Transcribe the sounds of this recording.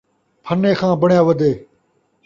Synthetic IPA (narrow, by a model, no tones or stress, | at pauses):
pʰənːẽːxʰãːbəɳjaːʋəd̪eː